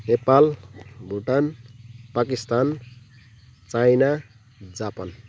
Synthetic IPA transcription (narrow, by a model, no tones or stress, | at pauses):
nepalbʱuʈanpakist̪an | t͡sajna | d͡zapʌn